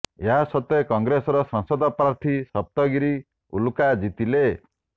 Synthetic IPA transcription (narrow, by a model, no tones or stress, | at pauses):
eɦasɔt̪ekɔŋɡɾesɔɾɔsɔŋsɔd̪ʱɔpɾaɾt̪ʰisɔp̚t̪ɔɡiɾi | ṵlukad͡ʒit̪ile